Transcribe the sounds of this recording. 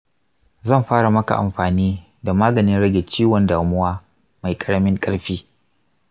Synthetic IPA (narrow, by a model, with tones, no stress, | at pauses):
zɐ˦˨mɸaː˦ɽa˨mɐ˦ka̰˨ʔa̰˨mɸaː˨niː˦ | da˨maː˦ɡɐ˨nɪ˦nɽɐ˦ɡʲe˨t͡ʃiː˦wɔ˨ndaː˨mʊ˦waː˦ | ma˨jkʼɐ˨ɽɐ˦mɪ˦ŋkʼɐ˦ɽɸiː˦